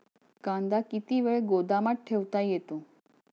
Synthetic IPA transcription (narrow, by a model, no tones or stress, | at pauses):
kãnd̪akit̪iʋeɭeɡod̪amaʈ̚ʈʰeʋt̪ajet̪o